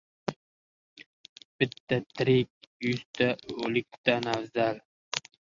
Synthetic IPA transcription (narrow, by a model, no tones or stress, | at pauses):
b̥ɪt̪ːat̪ʰɪɾɪk̚ʲjʊst̪ʰaɵlɪk̚ʲt̪ʰanavzal